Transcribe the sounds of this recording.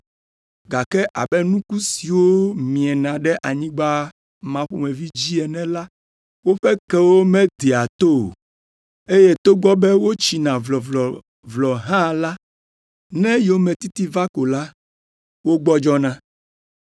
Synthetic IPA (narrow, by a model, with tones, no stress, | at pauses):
ɡa˨kɛ˦ʔa̰˨bɛ˦nũ˦ku˦si˨wo˦mĩ˨ɛ˨nã˨ɖɛ˦ʔa˨ɲĩ˦ɡ͡ba˦ | mã˨ɸo˨mɛ̃˨vi˦d͡ʑi˦ɛ˨nɛ̃˨la˦ | wo˦ɸɛ˦kɛ˦wo˦mɛ̃˦d̪i˨a˨t̪o˦˨ | e˦je˦t̪o˦ɡ͡bɔ˦bɛ˦wo˦t͡ɕi˨nã˨vlɔ˨vlɔ˨ | vlɔ˨ɦã˦la˦ | nɛ̃˦jo˨˦mɛ̃˨t̪i˦t̪i˦va˦ko˨la˦ | wo˦ɡ͡bɔ˦d͡ʒɔ˦nã˦